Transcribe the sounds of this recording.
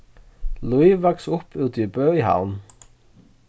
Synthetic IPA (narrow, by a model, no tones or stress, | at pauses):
luiːʋɑksʊpʰʉːt̪ʰiːbøːhɑ̰ʊn